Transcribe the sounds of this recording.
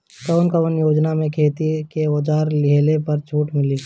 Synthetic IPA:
kəʋnkəʋənjoːd͡ʒnamẽkʰeːt̪ikeod͡ʒaːɾlɪɦlepəɾt͡ʃʰuːʈmɪli

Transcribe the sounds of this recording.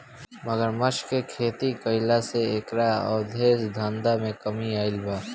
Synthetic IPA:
məɡəɾməʃkekʰeːt̪ikəɪlaseekɾaɔ̰ːɾd̪ʱeːsd̪ʱãːnd̪amẽkəmiaːɪlbaː

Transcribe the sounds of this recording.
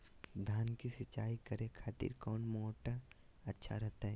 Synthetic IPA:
d̪ʱaːnkisɐt͡ʃːaːikɐɾẽkʰaːt̪ḭɾkɔːnmɔːʈa | ɐtːʃʰa̰ɾɛɦt̪aɦɛ

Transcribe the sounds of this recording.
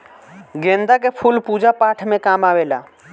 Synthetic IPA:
ɡẽːnd̪ak̬epʰulpuːd͡ʒapaːʈʰmẽkaːmaːʋela̰ː

